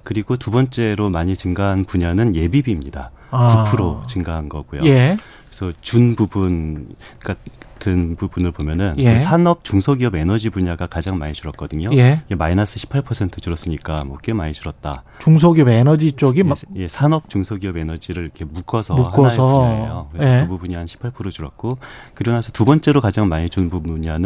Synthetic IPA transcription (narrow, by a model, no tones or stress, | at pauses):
kɯɾiɡotubʌnt͡ɕ͈e̞ɾomaɲit͡ɕɯŋɡaɦanpuɲanɯnje̞bibimɲida | kupʰɯɾot͡ɕɯŋɡaɦanɡʌ̰ɡojo̰je | esʰʌt͡ɕunbubun | ɡatʰɯnbubunɯɭpomjʌnɯnsʰanʌp̚t͡ɕuŋsʰoɡiʌbe̞nʌd͡ʑibuɲaɡakad͡ʑaŋmaɲit͡ɕuɾʌt̚k͈ʌdɯɲoeemainasʰɯ̥ɕʰi̥pʰaɭpʰʌsʰe̞ntʰɯt͡ɕuɾʌs͈ɯɲik͈amwʌk͈emaɲit͡ɕuɾʌt̚t͈a | t͡ɕuŋs̬ʰoɡiʌbenʌd͡ʑit͡ɕ͈oɡije̞sʰanʌp̚t͡ɕ͈uŋsʰoɡiʌbe̞nʌd͡ʑiɾɯɾikʰe̞muk͈ʰʌsʰʌmuhaʌaʌjokɯɾesɯbubuɲianɕʰi̥pʰaɭpʰɯɾod͡ʑuɾʌt̚k͈okɯɾʌnasʰʌtubʌnt͡ɕ͈e̞ɾokad͡ʑaŋmaɲit͡ɕunbubuɲanɯ